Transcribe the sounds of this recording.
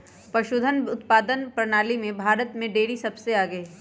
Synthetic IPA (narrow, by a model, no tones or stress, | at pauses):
pɐʃʊd̪ʱənʊt̪paːd̪ənpɾɐnaːlimẽbʱaːɾət̪mẽɖeːɽisɐbseaːɡəe